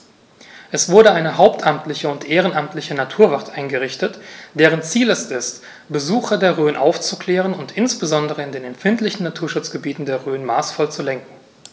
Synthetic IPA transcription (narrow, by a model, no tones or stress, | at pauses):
ʔɛsv̥ʊɐɾəaɪnəɦaʊptʰʔamtlɪçəʊntʔeːʁənʔamtlɪçənatʰuːɐvaɐtʔaɪnɡəʁɪçtətd̥eːʁ̞ənt͡siːlɛstɪst | b̥əzuːxɐdeːɐʁøːnʔa̰ʊft͡sukl̥ɛːʁ̞ənʊntʔɪnsb̥əzɔndəʁəɪndeːnɛmfɪntlɪçn̩nːatʰuːɐʃʊt͡sɡ̥əbiːtn̩deːɐʁøːənmaːsfɔlt͡sulɛŋkŋ̩